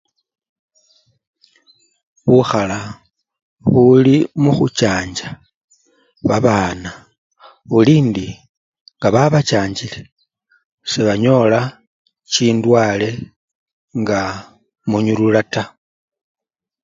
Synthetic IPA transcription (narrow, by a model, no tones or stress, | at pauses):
βuxala | βulimuxut͡ʃaːɲd͡ʒa | βaβaːna | βuliːndi | ŋɡaβaβat͡ʃaːɲd͡ʒile | seβaɲo̞la | t͡ʃiːndwaːle̞ | ŋɡa | muɲululata